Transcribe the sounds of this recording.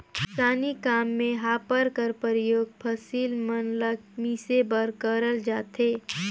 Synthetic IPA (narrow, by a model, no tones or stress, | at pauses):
saːnikaːmːẽɦaːpəɾkəɾpəɾɪjoːɡ̚pʰəsiːlmənləɡ̚miːsebəɾkəɾəld͡ʒaːt̪eː